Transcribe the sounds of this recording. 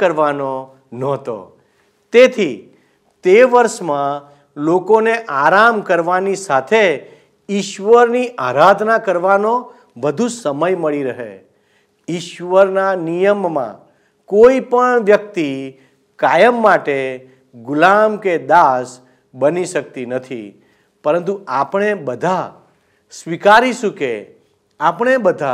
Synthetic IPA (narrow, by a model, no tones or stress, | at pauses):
əɾʋano | nɔɦt̪o̰ | t̪et̪ʰi | t̪eʋəɾʃmã | lokoneʔaɾamkəɾʋanisat̪ʰe | iʃʋəɾniʔaɾad̪ʱnakəɾʋano | ʋəd̪ʱusəməjməɭiɾəɦḛ | iʃʋəɾnanijəmːã̰ | koipəɳʋjək̚t̪i | kajəmːaʈe | ɡʊlamked̪as | bəniʃək̚t̪inət̪ʰḭ | pəɾə̃nt̪uapɳ̃ebəd̪ʱa | sʋikaɾiʃũke | apəɳ̃ebəd̪ʱa